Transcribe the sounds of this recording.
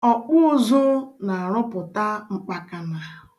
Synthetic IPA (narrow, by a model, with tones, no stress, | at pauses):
ɔ˨k͡pʊ˦zʊ˦na˨a˨ɾɔ˦pʊ˨ta˦ŋ͡m̩˦k͡pa˦ka˨na˨